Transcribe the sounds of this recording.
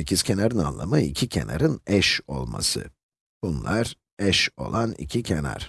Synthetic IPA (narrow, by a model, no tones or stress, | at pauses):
ecʲʰiz̥cʰenaɾɯnanlˠamɯḭcʰicʰe̞̰na̰ɾɯnɛʃo̞lˠma̰sɯ | b̥unlˠaɾ | ɛʃo̞̰lˠanḭcʰicʰena̰ɾ̥